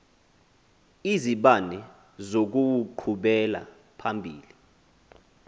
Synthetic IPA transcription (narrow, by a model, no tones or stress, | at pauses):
iziɓanɛ | zok̬uwuǃʰuɓɛla̰ | pʰambʱiːli